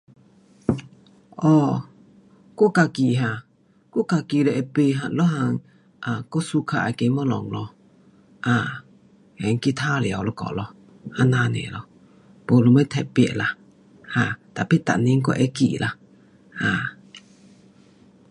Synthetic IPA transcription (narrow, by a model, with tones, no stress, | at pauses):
ʔɔ˧˨ | ko˦ka˧˨ki˨ɦã˧˨ | kɔ˦ka˧˨ki˧˨lɛ˧ʔɛ˧pe˧˨ɦa˧˨lɔ˦ɦa˧˨ŋ | ʔa˨kɔ˦su˧˦kʰa˧˨ʔa̰˨ke˧˦mɔ˦lɔ̰˨ŋlɔ˧ | ʔa˧˨ | hɛ˨ŋ˦ki˦t̪ʰa˦li˨a˨wlɔ˧˦kɔ̰˨ʔlɔ˧ | ha˧˦na˧nɛ̰˨lɔ˧ | po˧˨lo˧mə˦t̪ʰɛ̰˨pɛ̰˧˨ʔla˧ | ha˧˨t̪a˨pi˦t̪a̰˨ʔni˦ŋ˦kɔ˦ʔɛ˧˦kḭ˨lʔa˧ | ha˧˨